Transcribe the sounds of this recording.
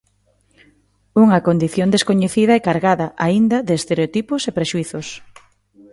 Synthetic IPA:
uŋɐkond̪iθjond̪eskoɲeθiðɐekaɾɣaðɐʔaind̪ɐðeːst̪eɾeot̪ipʊsepɾeʃuiθʊs

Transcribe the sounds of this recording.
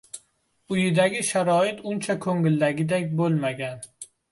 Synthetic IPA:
ʊjɪd̪aɡʲɪʃaɾɒɪt̪ʊnt͡ʃʰakʰɵŋɪld̪aɡʲɪd̪akʲbolˠmaɡʲan

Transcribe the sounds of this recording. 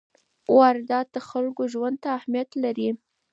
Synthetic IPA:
waɾd̪ɑd̪̚d̪əxalkoʒwand̪̚t̪aːhmjat̪laɾi

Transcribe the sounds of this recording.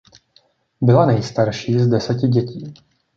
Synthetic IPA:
bɪlanɛjst̪aɾʃiːzdɛsɛcɪɟɛciː

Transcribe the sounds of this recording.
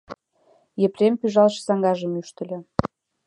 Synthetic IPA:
jĕprʲempyʒɑlʃɤ̥sɑŋɡɑʒə̆myʃt̪ə̆lʲĕ

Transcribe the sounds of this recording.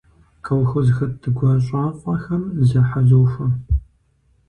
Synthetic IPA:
kʰɐwxʊzxɐt̚dɨɡʷɐɕʼaːqʷʼɔxɐmzɐħazoːfɐ

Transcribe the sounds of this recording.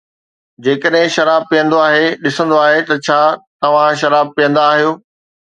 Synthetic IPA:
d͡ʑeːkəɗɦɪ̃ʃɐɾaːb̚pijə̃nd̪oaːɦeɗɪsə̃nd̪oaːɦet̪ɐt͡ɕʰaːt̪ɐʋ̤ãʃɐɾaːb̚pijə̃nd̪aːɦijoː

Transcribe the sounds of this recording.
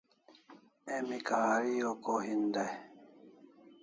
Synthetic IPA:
ɛmikaaɾijɔkɔɦinda

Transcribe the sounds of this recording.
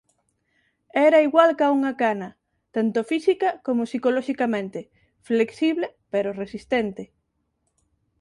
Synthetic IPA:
ɛɾɐiɣwalkauŋɐkanɐ | t̪ant̪ofisikɐkomosikoloʃikamẽnt̪e | fleksiβlepeɾoresist̪ɛnt̪e

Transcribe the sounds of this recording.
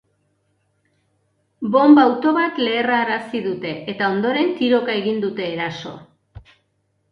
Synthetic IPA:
bo̞mbawt̪o̞βat̪le̞ːraːɾasiðut̪e̞ʔet̪ao̞nd̪o̞ɾe̞nt̪iɾo̞kae̞ɣind̪ut̪e̞ːɾaso̞̰

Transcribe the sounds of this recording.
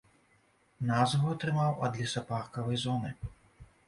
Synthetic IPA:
nazvuɐt̪ɾɨmawɐd̪lʲisɐparkɐvɐjzɔnɨ

